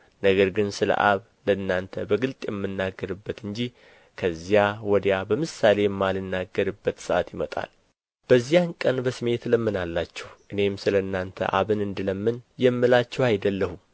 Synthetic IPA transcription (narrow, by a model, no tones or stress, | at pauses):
nəɡəɾɡɨnsɨlə̰ʔaβ | ləɨnːant̪ʰəbəɡɨlt̪ʼjɛmːɨnːaɡːəɾɨbːət̪ɨɲd͡ʒi | kʰəzːjawɔd̪jabəmɨsale̞jɛmːalɨnːaɡːəɾɨbːət̪sɨʔat̪jɪmət̪ʼa̰l | b̥əzːijankʼənbəsɨme̞t̪ləmːɨnalːat͡ʃːɛ̥hʔɨne̞msɨləɨnːant̪ʰə̰ʔa̰βɨnɨnd̪ɨləmːɨnjɛmːɨlat͡ʃːɛwajd̪əlːəhu